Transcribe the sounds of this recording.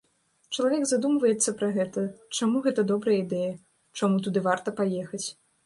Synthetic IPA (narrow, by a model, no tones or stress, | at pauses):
t͡ʂɐlˠavʲɛɡzad̪umvɐjɛt̪sːɐpɾɐɣɛt̪ɐt͡ʂamuɣɛt̪ɐd̪ɔbɾɐjəid̪ɛjɐ | t͡ʂamut̪ud̪ɨvart̪ɐpajɛxɐt͡sʲ